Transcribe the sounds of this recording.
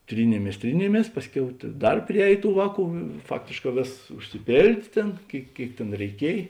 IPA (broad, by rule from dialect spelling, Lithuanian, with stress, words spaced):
ˈtʲrʲiːnʲeːmʲeːs ˈtʲrʲiːnʲeːmʲeːs ˈpɑːsʲˌkʲɛʊ tɐ ˈdɐr pʲrʲɪˈɛːj ˈtuː ˈʋɑːˌkuː ˈfɑːktʲeːʃˌkɑː ˈʋʲeːsɐs ʊʃʲsʲɪˈpʲeːlʲdʲeː ˈtʲeːn ˈkʲeːɪk ˈkʲeːɪk tʲeːn rʲɛɪˈkʲiɛj